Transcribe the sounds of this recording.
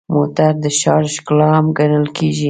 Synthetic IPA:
mot̪aɾd̪əʃɑɾʃklɑamɡanəlkeʒi

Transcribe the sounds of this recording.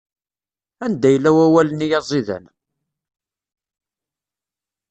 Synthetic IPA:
ænd̪æjəlːæwæwælənijɑzˤiðæ̰n

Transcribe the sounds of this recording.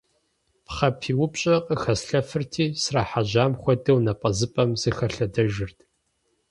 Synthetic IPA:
pχɐpʰiːwʊpɕʼɐqʼəxɐsɬɐfɨrtʰiːsraːħaʑaːmxʷɔdɐwnɐpʼɐzɨpʼɐmz̥ɨxɐɬɐdɐʒɪrtʰ

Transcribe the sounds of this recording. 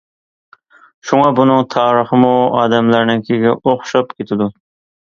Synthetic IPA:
ʃuŋɑbunɨŋt̪ʰɑːɾəχɨmuɑ̰ːd̪æmlæɾnɪnkʲʰeɡʲɪoχʃɑpkʲet̪ʰɪd̪u

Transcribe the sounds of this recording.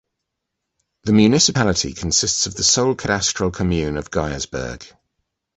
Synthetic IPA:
ðəmjʉːnɪsɪpalɪtʰḭkʰə̃nsɪstsəvðəsəʊlˠkʰədastɹ̥əlˠkʰəmjʉːnəvɡaɪəzbɜ̰ːɡ̥

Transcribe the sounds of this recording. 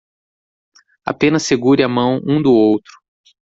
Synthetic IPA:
a̰pẽnɐseɡuɾɪamɐ̃w̃ũd̪ʊowt̪ɾʊ̥

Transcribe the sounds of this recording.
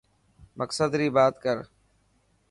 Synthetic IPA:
mʔəksəd̪ɾiːbaːt̪kəɾ

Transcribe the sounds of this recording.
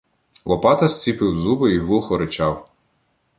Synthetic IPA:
lˠɔpɑt̪ɐsʲt͡sʲipɪwzubɪiɦlˠuxɔɾɪt͡ʃɑw

